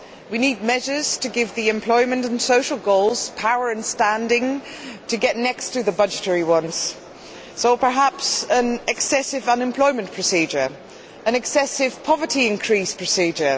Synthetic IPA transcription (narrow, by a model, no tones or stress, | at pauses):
winid̚mɛʒə˞z̥tʰɨɡɪvðiɨ̃mpʰl̥ɔɪmə̃ntə̃n̩soʊʃlˠɡoʊlˠz̥pʰaʊə˞ɨ̃nstæ̃ndɪ̃ŋtʰɨɡɛʔⁿnɛkstʰɨðəbʌd͡ʒɨtʰɛɹiwʌ̃nz̥ | soʊpə˞ɦapsə̃nɨksɛsɪvʌ̃nɨ̃mpʰl̥ɔɪmə̃npʰɹ̥ɨsid͡ʒə˞ | ə̃nɨksɛsɪv̥pʰɒvəɾiɪ̃nkʰɹ̥ispʰɹ̥ɨsid͡ʒə˞